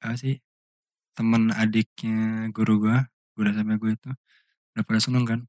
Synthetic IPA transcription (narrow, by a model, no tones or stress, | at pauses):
asɪh | t̪əmənadɪk̚ɲaɡuɾuɡua | ɡ̥udasampɛɡuait̪u | dapalasunʊŋkan